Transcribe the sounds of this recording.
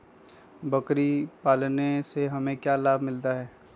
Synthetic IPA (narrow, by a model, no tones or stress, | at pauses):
bɐkɾipaːlneseɦɐmẽkjalaːbʱmɪlt̪aɦɛː